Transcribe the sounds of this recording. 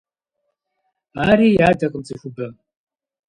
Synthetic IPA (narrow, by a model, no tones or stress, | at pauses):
aːɾiːjaːdɐqʼɨmt͡sʰʼɨɕʷʊbɐ